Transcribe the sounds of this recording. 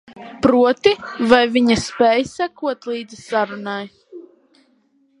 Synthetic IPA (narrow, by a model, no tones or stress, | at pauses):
pɾuɔt̪ivajviɲaspʲɛːjsakuɔt̪lˠiːd̪zɨsaɾunaj